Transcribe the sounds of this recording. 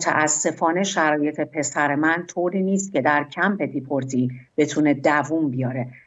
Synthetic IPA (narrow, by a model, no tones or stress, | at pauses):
t̪ʰæ̰ʔæsːe̞fɒːne̞ʃæɾɒːje̞t̪ʰe̞pʰe̞sæɾemænt̪ʰoːɾiːniːst̪̚cʰe̞d̪æɾcʰæmpe̞d̪ipʰoɾt̪ʰib̥e̞t̪ʰune̞d̪ævumbijɒːɾe̞